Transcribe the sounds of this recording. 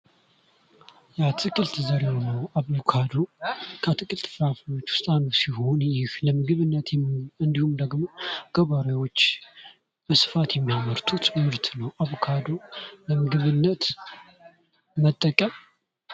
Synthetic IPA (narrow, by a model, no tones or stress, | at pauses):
jat̪ʰɨkʼɨlt̪zəɾewonəwaβokʰad̪okʰət̪ʰɨkʼɨlt̪fɾafno̞t͡ʃːwʊ̥st̪ʼanəsiho̞njɪhləmɨɡɨβɨnːət̪jɛmɨnd̪ihumd̪əɡmoɡ̥əβaɾawo̞t͡ʃː | bəsɨ̥fat̪jɛmːijamːəɾt̪ʰut̪ʰʼɨmmɨɾt̪nəwʔaβukʰad̪o̞ləmɨɡɨβɨnːət̪ | mət̪ʼːəkʼəm